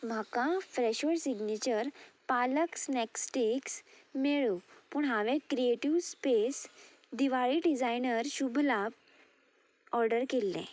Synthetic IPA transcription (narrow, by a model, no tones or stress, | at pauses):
m̤akãfɾɛɕoɽsiɡnit͡ɕəɾpaləksnɛksʈeksmeɭupuːɳɦaʋẽkɾieʈiʋspes | ɖ̪iʋaɭiɖid͡zajnəɾɕubʱlap̚ | ɔɾɖəɾkelːɛ̰̃